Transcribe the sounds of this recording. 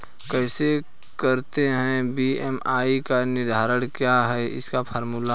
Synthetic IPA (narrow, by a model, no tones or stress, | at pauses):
kɛːse | kɐɾt̪eɦɛ̃biɛmaːikanɪɾd̪ʱaːɾəɽ̃kjaɦɛɪ̰skapʰəɾmuːla